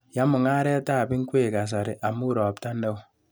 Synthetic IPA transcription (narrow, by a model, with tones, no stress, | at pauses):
ja˦mu˨ŋa˦ɾe˦a˦ta˦˨bi˦ŋ̩˦kʷe˦˨ka˨s̬a˨ɾe˨ʔa˨mu˦ɾɔ˨p̚ta˦ne˦˨